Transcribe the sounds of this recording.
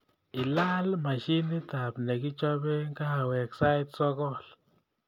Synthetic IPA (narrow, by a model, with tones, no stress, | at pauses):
i˨la˦lma˨ʃi˦ni˦t̪a˨pne˨ɡi˦t͡ʃo˦be˦ŋɡa˦ha˨we˨ksa˦jt̪̚so˦ɡo˦l